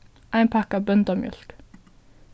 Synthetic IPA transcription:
ʔæɪnpʰækɑːbœnd̪ɑmjœ̰lk

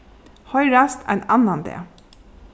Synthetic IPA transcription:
hœʏɹɑst̪ʰæ̰ɪnɑnɑnd̪ḛː

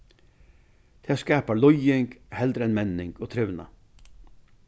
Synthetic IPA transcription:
d̪̥ʰeːskæːpɑlɔjɪŋɡhɛld̪ɾəɛnmɛnɪŋɡ̥oːt̪ʰɾœʋnɑ̰

